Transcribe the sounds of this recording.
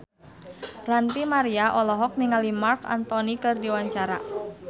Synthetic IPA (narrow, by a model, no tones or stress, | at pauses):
rant̪imaɾiaʔɔlɔɦɔk̚niŋalimarka̰nt̪ɔnikɨrdiwaɲt͡ʃaɾa̰